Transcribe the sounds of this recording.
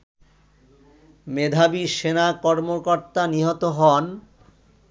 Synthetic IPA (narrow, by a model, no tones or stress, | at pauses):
med̪ʱabiʃenakɔɾmokoɾt̪aniɦot̪oɦɔn